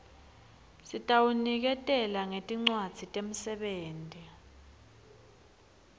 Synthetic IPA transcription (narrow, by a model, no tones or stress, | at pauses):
sitʼawunik̬ɛtʼɛlaŋetʼiŋ͡ǀwad̥z̥ʱitʼem̩sɛɓeːntʼi